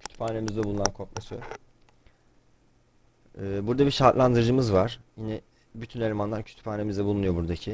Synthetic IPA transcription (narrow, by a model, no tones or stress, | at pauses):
cʰy̥t̪ʰy̥phaːne̞mizd̪ɛbulˠunankʰok̚masɯ | ɛːbuɾd̪abiʃaːt̪lˠand̪ɯɾɯd͡ʒɯmɯzvaɾ̥jinɛ | byt̪ʰynelʲemanlˠaɾcʰy̥t̪ʰy̥phaːne̞mizd̪ɛbulˠunujo̞buɾd̪acʰi